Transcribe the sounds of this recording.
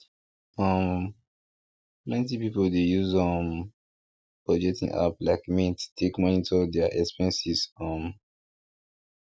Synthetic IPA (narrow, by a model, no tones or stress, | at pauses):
ʌm | plɛ̃ntipipoldejuzʌ̃m | pɹɔd͡ʒɛk̚tḭ̃ŋʔa̰plaɪkmĩttʰekmɔ̃nitʰɔdɛəʔɛkspɛ̃nsizʌ̃m